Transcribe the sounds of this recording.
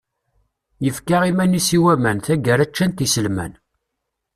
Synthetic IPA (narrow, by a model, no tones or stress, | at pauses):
jəfkaʁimænisiwæmænθæɡəɾæt͡ʃːænt̪isəlmæ̰n